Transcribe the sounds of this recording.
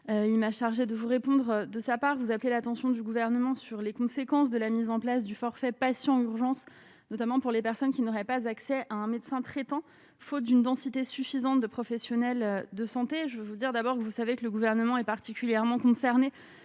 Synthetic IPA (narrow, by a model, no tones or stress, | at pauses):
øilmaʃaʁʒed̪əvuʁepɔ̃d̪ʁd̪əsapaʁvuzaplelat̪ɑ̃sjɔ̃d̪yɡuvɛʁnəmɑ̃syʁlekɔ̃sekɑ̃s̬d̪əlamizɑ̃plas̬d̪yfɔʁfɛpasjɑ̃yʁʒɑ̃s | nɔt̪amɑ̃puʁlepɛʁsɔnkʲinɔʁɛpazaksɛʔaɛ̃met̪sɛ̃t̪χɛt̪ɑ̃ | fot̪̚d̪ynd̪ɑ̃sit̪esyfizɑ̃t̪̚d̪əpχɔfɛsjɔnɛlød̪əsɑ̃t̪eʒəvøvud̪iʁd̪abɔʁkəvusavekələɡuvɛʁnəmɑ̃ɛpaʁt̪ikʲyljɛʁmɑ̃kɔ̃sɛʁne